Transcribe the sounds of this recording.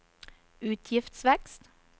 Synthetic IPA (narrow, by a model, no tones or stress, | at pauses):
ʉːt̪ʰjɪft̪sʋɛkst̪